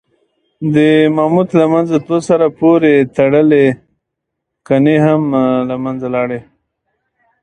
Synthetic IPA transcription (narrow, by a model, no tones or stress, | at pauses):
d̪əmamut̪lamanzat̪osaɾapoɾet̪aɽəle | kaneɦamlamanzalɑɽe